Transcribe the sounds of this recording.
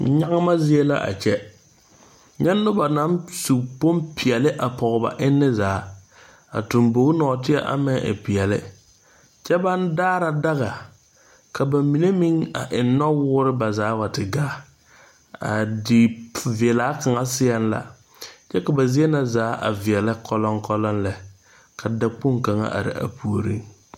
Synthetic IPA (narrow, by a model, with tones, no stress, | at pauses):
ɲa˦ŋ˦ma˦zɪ˦ɛ˦la̰˦ʔa̰˨t͡ʃɛ˦ | ɲɛ˦nːʊ˦ba˨na˦msu˨po˦mpi˨ɛ˨lɪ˦ʔa˨pɔ˨ɣʊ˨ba̰˨ʔɪ˦nːɪ˦zaː˨˦ | a̰˨tʊ˨mbo˨ɣʊ˦nɔː˨tɪ˦a̰˦ʔa̰˦mɪ˦ʔɪ̰˨pɪ˨ɛ˨lɪ̰˦ | t͡ʃɛ˦ba˦ndaː˦ɾa˨da˦ɣa˨ | kʰa˨ba˨mi˨ne˦mi˦ŋa̰˨ʔɪ˨nːɔ˦wʊː˦ɾɪ˦ba˨zaː˨˦wa˨tɪ˨ɡaː˦ | a̰˨dɪ˨vɪ˨ɛ˨laː˨˦ka˨ŋa˦sɪ˦ɛ˦n˦la̰˨ | t͡ʃɛ˦ka˨ba˨zɪ˦ɛ˦na˨zaː˨˦ʔa̰˨vɪ˨ɛ˨lɪ˦kʰɔ˦lɔ˦ŋkɔ˦lɔ˦nlɛ˨ | kʰa˨da˦k͡po˦ŋka˨ŋa̰˦ʔa̰˨ɾɪ̰˨ʔa̰˨pʰu˨o˨ɾḭ˦ŋ